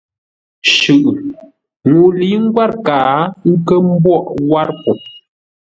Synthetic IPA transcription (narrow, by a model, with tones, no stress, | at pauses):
ʃʉ˨ʔ | ŋu˨li˨˦ŋ̩˦ɡwa˦ɾkaː˨ŋ̩˦kə˦m˦bwɔ˦˨ʔwa˦ɾpu˨